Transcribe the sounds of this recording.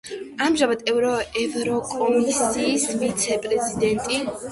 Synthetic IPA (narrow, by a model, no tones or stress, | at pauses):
amʒamad̪ɛvɾɔɛvɾɔkʼɔmisiːsvit̪sʰɛpʼɾɛzid̪ɛnt̪ʼi